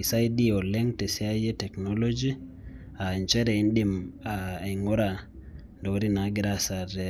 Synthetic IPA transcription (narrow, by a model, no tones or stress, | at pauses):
isajdiɔlɛŋtɛsiajɛtɛknolod͡ʒi | ant͡ʃɛɾɛinɗimaŋɔɾa | ndowɾinaɡiɾasadɛ